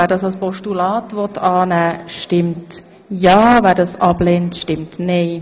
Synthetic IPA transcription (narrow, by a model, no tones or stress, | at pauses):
æːɾdɑsɑlspɔʃtulɑːtvɔtʰɑːnæːʃtɪmt | jɑːvɛːdɑsʔɑblɛntʃtɪmtneɪ